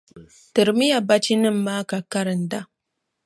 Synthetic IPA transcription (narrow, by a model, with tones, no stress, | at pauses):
tɨ˨ɾmi˦ja˨ba˦t͡ʃi˦nɪ˦mːaː˦ka˨ka˦ɾɪ˨nda˦